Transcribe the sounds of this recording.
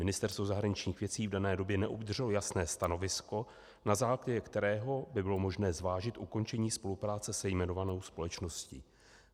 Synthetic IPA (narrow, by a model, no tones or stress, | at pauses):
mɪnɪst̪ɛɾst̪vo̞zaɦɾaɲɪt͡ʃɲiːxvjɛt͡siːvdanɛːdo̞bjɛnɛʔobd̪rrɛlojasnɛːst̪ano̞vɪsko̞ | nazaːklaɟɛkt̪ɛɾɛːɦo̞bɪbɪlo̞mo̞ʒnɛːzvaːʒɪt̪ʔuko̞nt͡ʃɛɲiːspo̞lupɾaːt͡sɛsɛjmɛno̞vano̞wspo̞lɛt͡ʃno̞scḭː